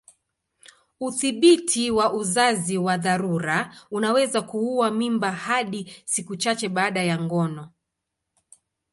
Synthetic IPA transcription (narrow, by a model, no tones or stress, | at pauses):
uθiɓitʰiwaʔuzaziwaðaɾuɾaunawɛzakuuwamimbahaɗisikut͡ʃat͡ʃɛɓaːɗajaŋɡɔnɔ